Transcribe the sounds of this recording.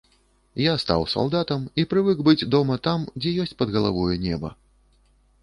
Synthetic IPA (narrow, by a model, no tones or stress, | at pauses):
jast̪a̰wsa̰lˠd̪at̪ɐmipɾɨvɨkbɨd͡zʲd̪ɔmɐt̪amd͡zʲɛjɔsʲt͡sʲpɐd̪ɣɐlˠa̰vɔjunʲɛbɐ̰